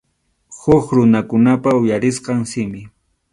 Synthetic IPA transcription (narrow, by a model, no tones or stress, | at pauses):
hʊχɾʊnakʊnapaʊjaɾɪsqɑŋsɪmɪ